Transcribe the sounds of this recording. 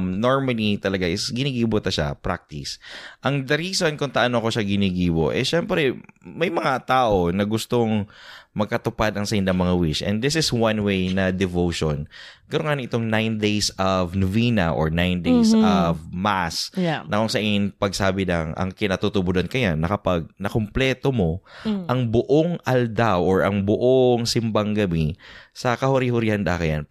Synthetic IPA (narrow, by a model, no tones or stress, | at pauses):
mnoɹmɐlit̪ɐlɐɡaʔɪsɡɪniːɡiːbot̪ɐʃa̰pɾa̰k̚t̪ɪsʔɐŋd̪ɐɾiːsonkʊŋt̪ɐʔɐnoʔɐko̞ʃaɡɪniːɡiːbo̞̰ʔɛ̰ʃɛmpɾɛmɐjmɐŋat̪aːʔo̞nɐɡʊst̪oŋmɐɡ̚kɐt̪ʊpad̪ɐŋsɐʔɪnd̪ɐŋmɐŋawɪʃʔɛ̰̃nd̪d̪ɪsɪswɐnwejnɐd̪ɛvowʃonkɐɾoŋanŋʔɪt̪oŋnajnd̪ejsʔɐvnʊviːnɐ̰ʔo̰ɹnajnd̪ejsɐvmasnɐkoŋsɐʔinpɐɡ̚saːbɪlɐŋɐ̰ŋkɪnat̪ut̪ʊbʊd̪ɐnkɐjanɐkɐpaɡ̚nɐkomplɛːt̪omo̞ʔɐŋbʊʔoŋʔɐld̪awʔoɹʔɐŋbʊʔoŋsɪmbaŋɡɐbisɐkɐhʊɾihʊɾɪhand̪a̰kɐja̰n